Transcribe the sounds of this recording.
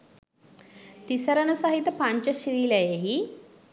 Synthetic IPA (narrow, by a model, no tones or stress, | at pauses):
t̪isəɾɐnɐsɐɦit̪ɐpaɲt͡ʃɐʃiɾilɐjeɦi